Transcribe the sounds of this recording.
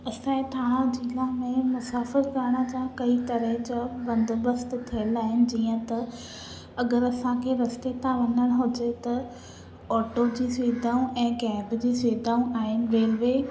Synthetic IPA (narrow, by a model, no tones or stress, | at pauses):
ɐsãːẽt̪ʰãːd͡ʑilamẽmʊsaːfɪɾkaɾɽ̃əd͡ʑãkɐit̪ɐɾəɦɪ̃d͡ʑabɐ̃nd̪bɐst̪t̪ʰiəlaːɦɪnɪ̆d͡ʑiːə̃t̪ɐ | ɐɡəɾɐsãkʰeɾɐst̪et̪ʰãʋɐnəɽ̃ɦʊd͡ʑet̪ɐ | ɔːʈod͡ʑiːsiːd̪ʱaːũɛ̃ːɡɛːbd͡ʑiːsiːd̪ʱaːũʔaːɦɪnɪ̆ɾeːlʋeː